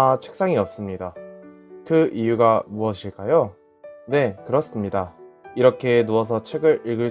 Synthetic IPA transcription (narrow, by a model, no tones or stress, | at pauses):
at͡ɕʰɯ̥k̚s͈aŋiʌp̚s͈ɯmɲida | kɯijuɡamuʌɕʰiɭk͈ajo | ne̞kɯɾʌs͈ɯmɲidaiɾʌkʰe̞nuʌs̬ʰʌt͡ɕʰwe̞ɡɯɾiɭɡɯɭ